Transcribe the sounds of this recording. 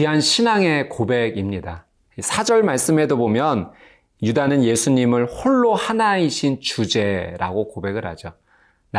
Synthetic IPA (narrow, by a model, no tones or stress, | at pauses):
iɦanɕʰinaŋe̞kobe̞ɡimɲida | isʰad͡ʑʌɭmaɭs͈ɯme̞dobomjʌn | judanɯnje̞sʰuɲimɯɭhoɭːohanaiɕʰint͡ɕud͡ʑe̞ɾa̰ɡokobe̞ɡɯɾha̰d͡ʑo | n